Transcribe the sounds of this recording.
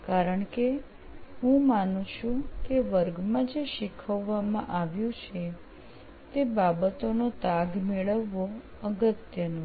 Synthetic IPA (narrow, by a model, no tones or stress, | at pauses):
kaɾəɳke | ɦũmanũt͡ʃʰũkeʋəɾɡmãd͡ʒeʃikʰəʋːamãʔaʋjũt͡ʃʰe | t̪ebabət̪onot̪aɡmeɭəʋːo | əɡət̪jənõ